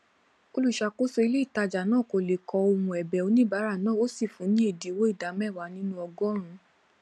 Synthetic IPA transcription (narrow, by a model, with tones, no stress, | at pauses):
o˧lu˦˨ʃa˧ko˦so˧i˧le˦i˦˨ta˧d͡ʒa˨nãː˦˨ko˨le˨kɔ˨˧o˧hũ˧ɛ˨bɛ˨o˨˧˦nĩ˦ba˨˦ɾa˦˨nãː˦˨o˦si˦˨fũ˨˦nĩ˦e˦˨di˨˦wo˦i˦˨da˨˦mɛ˦˨wa˨˦nĩ˦nũ˦ɔ˧ɡɔ˦ɾ̃ũ˧